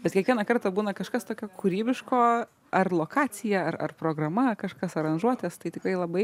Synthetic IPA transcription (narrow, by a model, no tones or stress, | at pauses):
bʲɛt̪kʲiɛkʋʲiɛnɐkɐrt̪ɐbuːnɐkɐʃkɐst̪oːkʲoːkʰuɾʲiːbʲɪʃkoː | ʔɐrlˠoːkʰɑːt͡s̪ʲɪjɛɐrɐ̰rpɾoːɡɾɐmɐkɐʃkɐsɐɾɐnʒuɔt̪ʲeːst̪ɐɪt̪ʲɪkɾɐɪlˠɐbɐɪ